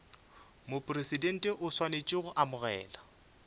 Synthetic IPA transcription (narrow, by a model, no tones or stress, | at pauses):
mopʼresidɛn̩tʼɛʔʊswanet͡ʃʼɪɣʊʔamʊɣɛ̰ːla